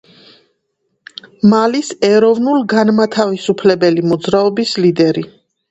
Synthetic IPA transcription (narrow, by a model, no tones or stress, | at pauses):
malisɛɾɔvnulˠɡanmat̪ʰavisupʰlɛbɛlimɔd̪zɾaɔbislid̪ɛɾi